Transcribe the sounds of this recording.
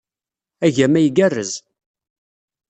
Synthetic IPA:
æʝæmæjɡærːəz

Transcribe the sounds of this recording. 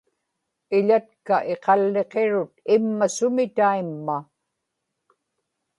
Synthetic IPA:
ɪʎat̪kaʔe̞qɑlːe̞qeɻʊt̪ɪmːasʊmɪt̪aimːa

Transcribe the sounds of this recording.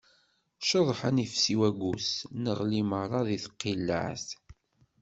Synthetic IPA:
ʃəðˤħanifsiwæɡʷusnəʁliməɾˤɑðiθə̥qːilːə̰ʕθ

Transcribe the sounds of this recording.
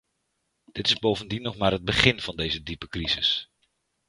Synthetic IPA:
d̥ɪtɪzbowvəndinːɔχmaːɾɦəd̚bəχɪnv̥ɑndejzədipəkrizɪs

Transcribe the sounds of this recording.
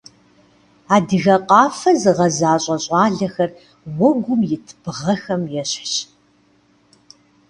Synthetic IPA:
aːdɨɣɐqʼɑːfɐzɨʁɐzaːɕʼɐɕʼɑːɮɐxɐr | wɔɡʷʊmjɪtʰb̥ʁɐxɐmjɛɕħɕ

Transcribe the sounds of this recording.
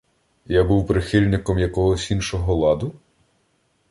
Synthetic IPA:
jabuwpɾɪxilʲnɪkɔmjɐkɔɦɔsʲinʃɔɦɔlˠɑd̪ʊ

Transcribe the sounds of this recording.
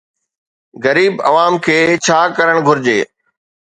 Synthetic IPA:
ɣɐɾiːbɐ̰ʋaːmkʰeːt͡ɕʰaːkɐɾəɽ̃ɡʱʊɾɪd͡ʑḛː

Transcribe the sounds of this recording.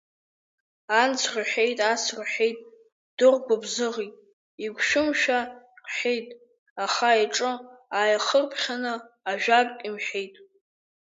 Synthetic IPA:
ant͡sʰraħe̞jtʼasrħe̞jtʼ | d̥ɨʁʷɡʷabzɨʁitʼ | iɡʷʃʊmʃᶣa | qħejtʼ | aχaiʈ͡ʂʼɨaːjaχərpʰχʲanɨ | aʒᶣakʼimħejtʼ

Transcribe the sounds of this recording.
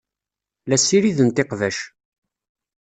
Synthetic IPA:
læsiɾiðənt̪eqvæʃ

